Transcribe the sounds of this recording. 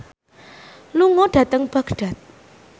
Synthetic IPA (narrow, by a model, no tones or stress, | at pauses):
luŋɔɖ̥ä̤t̪əŋb̥a̤ɡ̥ɖ̥a̤t̪̚